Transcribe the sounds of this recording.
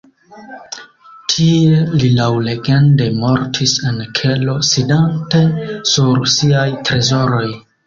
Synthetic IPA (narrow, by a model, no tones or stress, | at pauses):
tʰielilawle̞ɡe̞nde̞mo̞ɾtʰise̞nkʰe̞lo̞sidante̞suɾsiajtɾe̞zo̞ɾo̞j